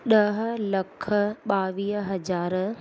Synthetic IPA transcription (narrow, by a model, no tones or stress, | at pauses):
ɗɐɦ̆lɐkʰə̆ɓaːʋiːɦɦɐzaːɾ